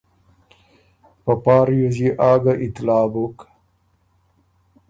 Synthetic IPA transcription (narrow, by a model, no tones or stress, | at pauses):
pɐpaːɾjuziʔaːɡaʔit̪laːbok